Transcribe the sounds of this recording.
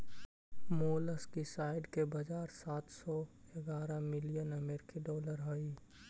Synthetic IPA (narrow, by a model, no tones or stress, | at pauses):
moːləskisaːɪɖkebɐd͡ʒaːɾsaːt̪ʰsɔeɡaːɾamɪlijənəmeːɾkiɖɔːləɾɦoi